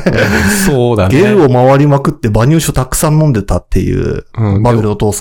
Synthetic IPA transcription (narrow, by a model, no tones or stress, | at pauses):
soːd̪anɡeɾɯ̟o̞maβaɾʲimakɯ̟t̪ːe̞baɲ̟ʲɨːɕiot̪akɯ̟̥sãnːõnd̪et̪at̪ʰːe̞jɯ̟̰̃ːmaoɾʲɯnot̪o̞ːs